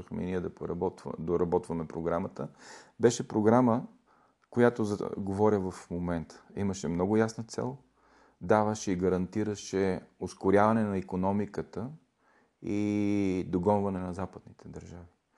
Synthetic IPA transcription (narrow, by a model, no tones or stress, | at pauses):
əxmɛ̰niɛd̪ɐpɾbɔt̪d̪oɾɐbɔt̪vɐmɛpɾoɡɾamət̪əbɛʃɛpɾoɡɾamə | kojat̪oz̰ɡovɔɾʲəvɐfmomɛnt̪ʰə̥ḭməʃɛmnɔɡʊjasnət̪sɛ̰lˠ | d̪avəʃɛiɡəɾɐnt̪iɾəʃɛoskʊɾjavɐnɛnɐikonɔmikət̪ə | i | d̪oɡɔnvɐnɛnɐzapəd̪nit̪ʰɛd̪ɐɾʒavi